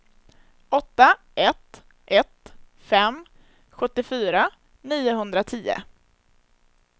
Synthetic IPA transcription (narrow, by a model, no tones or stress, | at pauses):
ɔt̪ːa | ʔɛt̪ | ʔɛt̪ | fɛm | ɧɵt̪ːɪfyːɾa | niːʊɦɵnd̪ɾat̪ʰiːə̰